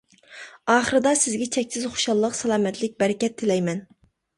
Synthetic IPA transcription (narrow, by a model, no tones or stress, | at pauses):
ɑːχəɾɨd̪ɑsɪzɡʲɛt͡ʃʰɛkʲsɪzχo̥ʃɑlˠːəqsɛlˠɑːmɛt̪lɪk̚ʲbɛɾɪkʲɛt̪ʰːɪlɛjmɛn